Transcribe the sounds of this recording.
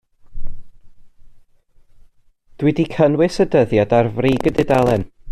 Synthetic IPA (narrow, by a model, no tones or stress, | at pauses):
d̥wɪdikʰənwɨsədəðjadarvriːɡədɪdalˠɛn